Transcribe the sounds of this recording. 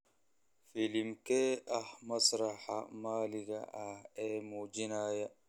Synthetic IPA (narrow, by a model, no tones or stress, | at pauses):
fɪlɪmkɛːɐhmɐsɾɐħa̰maːlɪɡɐ̰ʔɐhɛːmuːd͡ʒɪnaːjɐ